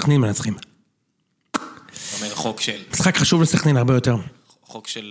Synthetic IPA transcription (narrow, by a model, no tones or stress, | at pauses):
aχninmenat͡sχim | eokmisχakχaʃuvlesaχninaʁbejo̞teʁ | okʃe